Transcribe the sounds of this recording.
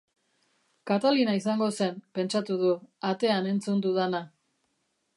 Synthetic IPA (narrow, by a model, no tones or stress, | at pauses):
kat̪alinaisaŋɡo̞se̞npe̞nt͡ʃat̪uðuat̪e̞ane̞nt͡sund̪uðana